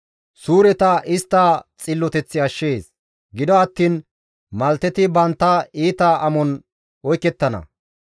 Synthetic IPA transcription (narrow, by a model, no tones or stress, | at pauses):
suːɾɛt̪ɐʔɪst̪ːat͡sʼɪlːɔt̪ɛt͡sːɪɐʃːeːs | ɡɪd̪ɔɐt̪ːiːn | mɐlt̪ːɛt̪ɪbɐnt̪ːɐiːt̪aʔɐmɔn | ɔjkːɛt̪ːɐnɐ̰